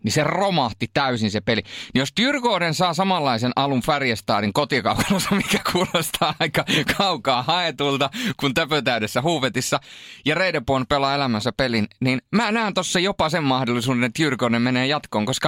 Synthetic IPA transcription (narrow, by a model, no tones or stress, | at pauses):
niseromɑht̪it̪æysinsepelinijost̪yrkoːnensɑːsɑmɑlːɑisenʔɑluɱfærjæst̪ɑ̰ːɾiŋkot̪ikɑukɑnɑsɑmikæ̥kʰuːlost̪ʰɑːɑikɑkʰɑukɑːhɑet̪ult̪ɑkunt̪øpøt̪æyɾesːæhuːʋet̪isːɑjɑreidepuonpelɑelæmænsæpelinninmæːnæːnt̪osːɑjopɑsemmɑhdolːisuːdenet̪jyrkoˑunemmeneːjɑt̪koːŋkoskɑ